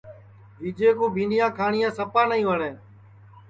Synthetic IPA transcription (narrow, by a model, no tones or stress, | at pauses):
ʋiːd͡ʒeːkoːbʱĩːnɗɪjãːkʰaːɳɪjãːsəpaːnəĩːʋəɽẽː